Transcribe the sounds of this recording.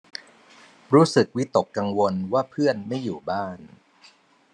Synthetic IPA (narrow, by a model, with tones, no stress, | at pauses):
ɾuː˦˥sɯ˨˩k̚wi˦˥t̪o˨˩kːa˧ŋwo˧nwaː˥˩pʰɯ˥˩ənma˥˩jːuː˨˩baː˥˩n